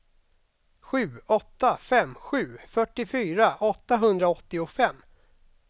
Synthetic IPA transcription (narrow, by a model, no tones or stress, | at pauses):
ɧʉ̟ːɔt̪ːafɛmːɧʉ̟ːfœʈːɪfyːɾaʔɔt̪ːaɦɵnd̪ɾaɔt̪ːɪʊfɛmː